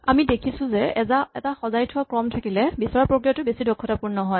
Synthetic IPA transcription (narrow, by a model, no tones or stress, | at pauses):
amidekʰisʊ̃zɛɛzaɛtaxɔzajtʰʊwakɹɔmtʰakilɛbisɔɹapɹokɹijatʊbesidɔkʰːɔtapuɹnnɔɦɔj